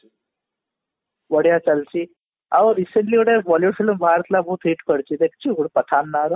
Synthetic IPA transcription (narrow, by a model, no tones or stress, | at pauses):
ʋəɽjat͡salt͡ɕi | aʋəɾiseɳʈliːʋəɽeʋɔljufilmbʱaɾt̪labʱuːt̪ɦeʈkəɾt͡ɕid̪ekt͡ɕiɡuɽpəʈʰanːaɾ